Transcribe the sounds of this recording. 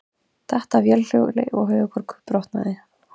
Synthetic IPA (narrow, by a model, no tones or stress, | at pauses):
θɛht̪avjɛll̥jowlɪ̰ʔɔɣɦœːɥɣʏkʰvɔɾkʰʏ̥pɾɔwht̪na̰ðɪ